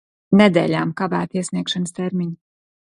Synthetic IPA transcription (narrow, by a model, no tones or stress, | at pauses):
nɛd̪ḛːʎaːmkavæ̰ːt̪iəsniɛkʃanst̪ɛɾmiɲ